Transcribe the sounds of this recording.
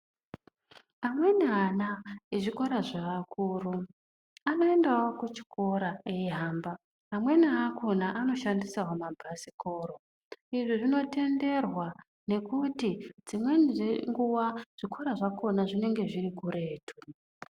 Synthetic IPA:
amwe̞nianaeʐiko̞ɾaʐaːkʰuru | ano̞e̞ndawokut͡ʃi̥ko̞ɾaeiɦaːmbaː | mwe̞niakʰonaʔano̞ʃandisaɦomabʱasiko̞ːɾo | iʐiʐino̞te̞nde̞rwa | ne̞kutid͡zimwe̞niʐeŋɡuwaʐ̥ikʰo̞ɾaʐakʰo̞naʐine̞ŋɡe̞ʐirikure̞ːtʰu

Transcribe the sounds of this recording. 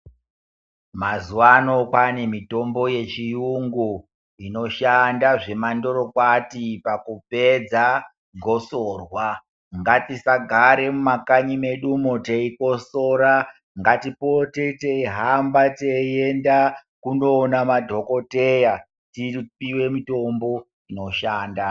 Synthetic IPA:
mazuwano̞kane̞mito̞mbo̞je̞t͡ʃijuŋɡu | ino̞ʃandaʐe̞mando̞ɾo̞kwatipakupe̞d͡za | ɡʱo̞soːrwa | ŋɡatisaɡʱaɾe̞mumakaɲime̞ɗumoteiko̞so̞ːɾa | ŋɡatipo̞te̞teiɦambatejenda | kunoːnamadʱo̞ko̞te̞ja | tipiwe̞mito̞mbo̞ | ino̞ʃaːnda

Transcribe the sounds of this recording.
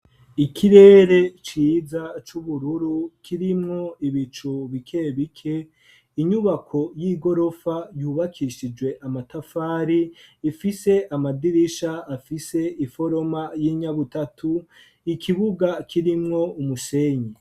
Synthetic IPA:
ikʰiɾe̞ːɾe̞t͡ʃiːzat͡ʃuβuɾuɾukʰiɾimŋo̞iβit͡ʃuβikʰe̞βikʰe̞ | iɲuβakʰo̞jiːɡo̞ɾo̞fajuːβakʰiʃid͡ʒwe̞ʔamatafaːɾiːfise̞ʔamadiɾiʃaːfise̞ifo̞ɾo̞majiːɲaβutatʰu | ikʰiβuɡakʰiɾimŋo̞umuseɲe

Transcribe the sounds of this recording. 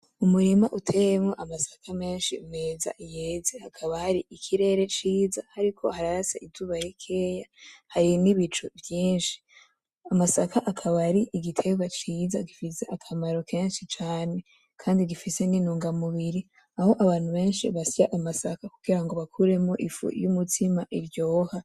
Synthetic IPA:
umuɾimaʔutʰe̞jemŋoʔamasḁkʰame̞ːnʃimŋeːza̰ʔijeːzehakʰaβahaɾiʔikʰiɾe̞ːɾe̞t͡ʃiːzahaɾikʰo̞haɾaasaʔizuβaɾikʰe̞ːjahaɾiniβit͡ʃovjiːnʃi̥ | amasakʰaʔakʰaβaɾiʔiɡitʰe̞ɡwat͡ʃiːzaɡifise̞ʔakʰamaɾo̞ke̞ːnʃit͡ʃaːne̞ | kʰaːndiɡifise̞ninuːŋɡamuβiɾi | ahoʔaβaːn̥huβe̞ːnʃiβasaʔamasakakuɡiɾaŋɡo̞βakʰuɾe̞moʔifṵjumutʰimaʔiɾɟo̞ːha

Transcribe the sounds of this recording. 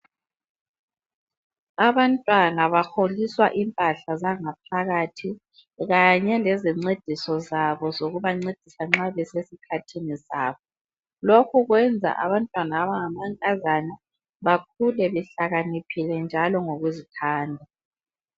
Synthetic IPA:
aβantʼwanaβaxoliswa̰ʔimpʼaɬazaŋapʰaɣatʰi | ɣaɲɛlɛziŋ͡ǀed̥ʱisɔzaβɔzoɣuβaŋ͡ǀed̥ʱisaŋ͡ǁaβɛsesikʰatʰinisa̰ːβɔ | lokʰuɣwɛnd͡zʱa̰ʔaβantʼwanaːβaŋamaŋkʼazana | βak̚ʰulɛβɛɬaɣanipʰilɛnd͡ʒʱalɔŋoɣuzitʰaːndʱa

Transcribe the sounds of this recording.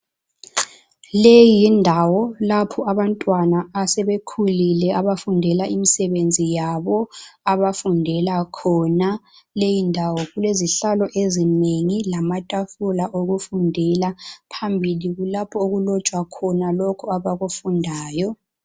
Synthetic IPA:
lejindʱawɔlapʰɔaβantʼwanaːsɛβekʰulilɛaβafundʱɛlaimisɛβend͡zʱijaβɔaβafundʱɛlakʰɔna | lejindʱawɔɣuleziɬalɔʔezineŋilamatʼafulaʔoɣufundʱɛlapʰambʱiliɣulapʰɔoɣulɔt͡ʃʼwakʰɔnalɔkʰɔaβaɣufundʱaːjɔ

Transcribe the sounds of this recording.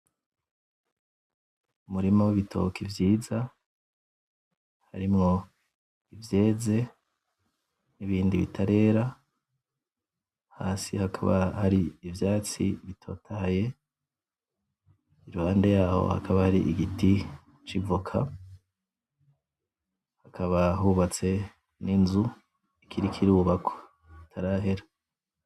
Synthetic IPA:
umuɾimowiβitʰo̞̰kʰivjiːza | haɾimŋo̞ | ivje̞ːze̞ | niβiːndiβḭtʰaɾe̞ːɾa | ha̰ːsihakʰa̰βa̰haɾiːvjaːt͡sḭβitʰo̞ːtʰaje̞ | iɾuhaːnde̞jaːho̰ha̰kʰaβahaɾiʔiɡiti | t͡ʃivukʰa̰ | hakʰaβaɦuβat͡se̞ | ninzu | ikʰiɾikʰiɾuβakʰo̥ | kitʰaɾaɦe̞ɾḁ

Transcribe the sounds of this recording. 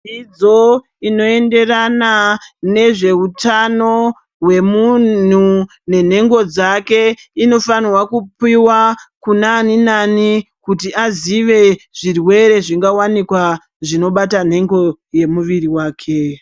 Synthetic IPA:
id͡zo̞ | ino̞e̞nde̞ranane̞ʐe̞utano̞ | ɦwe̞mun̤u | ne̞n̤e̞ŋɡo̞d͡zake̞ino̞faniwakupiwakunaninanikutiaziʋe̞ʐ̥irwe̞ɾe̞ʐiŋɡawanikwa | ʐino̞ɓatan̤e̞ŋɡo̞je̞muʋiriwaːkʰe

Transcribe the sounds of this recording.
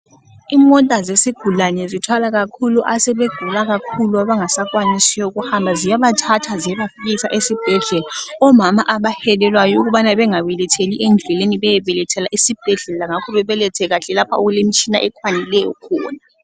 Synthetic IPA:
imɔtʼazesiɡ̥ʱulanɛzitʰwalaɣ̬akʰuluʔasɛβeɡ̥ʱulaɣ̬akʰuluaβaŋasak̬ʼwanisijɔuk̬uhambʱazijaβatʰatʰazijaβafik̬isaʔesib̥ʱɛɮɛlaɔmamaʔaβahɛlɛlwajɔuɣ̬uɓanaβɛŋawɛlɛtʰeliʔend͡ɮʱɛleniβɛjɛβɛlɛtʰɛlaʔisib̥ʱɛɮɛlaŋakʰɔβɛβɛlɛtʰɛɣ̬aɬɛlapʰauɣulemit͡ʃʰʼina̰ʔɛkʰwanilɛjɔ̰kʰɔːna

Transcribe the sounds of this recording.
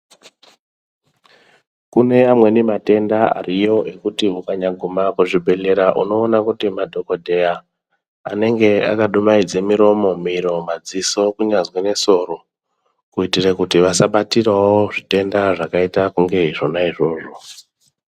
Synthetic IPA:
kune̞amwe̞nimate̞ndaa̰rijo̞ʔe̞kutiukaɲaɡʱumakuʐibʱe̞ɮe̞ɾaʔuno̞ːnakutimadʱo̞ko̞dʱe̞jaː | ne̞ŋɡe̞a̰kaɗumaid͡ze̞miɾo̞mo̞miɾo̞mad͡ziso̞kuɲazwene̞so̞ɾo̞ | kuitirekutiʋasaɓatirwawoʐite̞ndaʐakaitakuŋɡe̞iʐo̞naiʐo̞ːʐo̞

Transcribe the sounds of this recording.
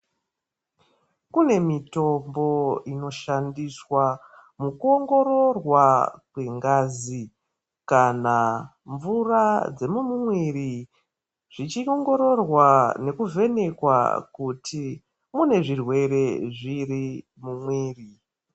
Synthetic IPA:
kune̞mito̞mbo̞ino̞ʃandiswa | mukuo̞ŋɡo̞ɾo̞rwakwe̞ŋɡaːzi | kana | ɱvurad͡ze̞mumumweri | ʐ̥it͡ʃioŋɡoɾo̞rwane̞kuve̞ne̞kwa̰kuti | mune̞ʐirwe̞re̞ʐiri | mumweːri

